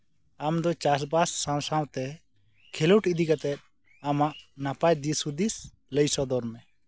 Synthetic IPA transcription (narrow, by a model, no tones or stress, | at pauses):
amd̪ɔt͡ʃas̬basːãwsãw̃t̪ɛ | kʰɛləwʈid̪ikat̪ɛt̪̚ˀ | amaʔnapajd̪isud̪is | ləjsɔd̪ɔɾmɛ